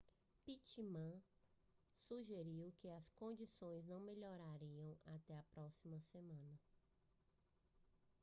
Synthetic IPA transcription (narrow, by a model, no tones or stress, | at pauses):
pit͡ʃimɐ̃ | suʒeɾiwkɪɐskõd͡ʒisõj̃znɐ̃w̃meʎɔɾaɾiɐ̃w̃at̪ɛɐpɾɔsimɐsemɐ̃nɐ